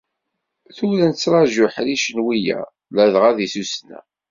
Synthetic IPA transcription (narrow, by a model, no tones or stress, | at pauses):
θʊɾənt͡sːɾˤɑʒʊħɾiʃənwijæ̰ | læðʁæðisusnæ̰